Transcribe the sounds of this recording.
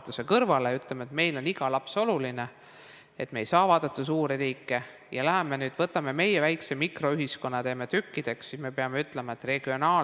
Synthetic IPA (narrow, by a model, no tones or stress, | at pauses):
t̪use̞kɤrvɑleyt̪ˑlemet̪me̞jlo̞niɡ̥ɑlɑpso̞luline̞ | e̞t̪mejsɑːvɑːd̪̥ɑt̪ːˑɑsuːɾiriːkːˑe̞ | jɑlæɦeme̞nyːd̪̥vɤt̪ːˑɑme̞me̞jevæjksemikro̞yɦisko̞nːɑt̪eːmet̪ykːid̪̥e̞ksːisme̞peɑme̞yt̪ˑle̞mɑet̪ːre̞ɡ̥io̞nɑː